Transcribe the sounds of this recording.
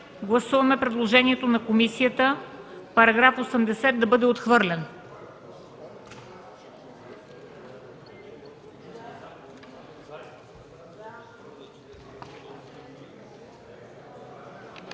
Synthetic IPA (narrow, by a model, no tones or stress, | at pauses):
ɡlˠɐsuvɐmɛpɾɛd̪lˠoʒɛniɛt̪onɐkomisijət̪əpɐɾɐɡɾafosɛmd̪ɛsɛt̪̚d̪ɐbɤd̪ɛot̪xvɤɾlʲɛn